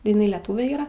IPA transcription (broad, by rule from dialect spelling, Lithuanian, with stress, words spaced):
ɪˈnɐɪ lʲɛˈtuːʋʲɛ ˈiːrɐ